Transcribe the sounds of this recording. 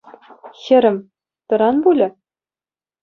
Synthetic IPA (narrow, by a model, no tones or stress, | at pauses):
xʲɘ̆ɾʲɘ̆m | t̪ɤ̆ɾɑnbulʲɘ̆